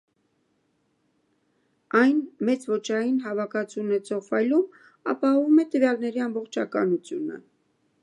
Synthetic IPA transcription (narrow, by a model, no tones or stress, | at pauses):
ɑjnmɛt͡svɔt͡ʃʰɑjinɦɑvɑkʰɑt͡sʰunɛt͡sʰɔʁfɑjlum | ɑ̰pɑɦɔvumɛt̪əvjɑlnɛɾiɑmbɔχt͡ʃʰɑkɑ̰nut͡sʰjunə̰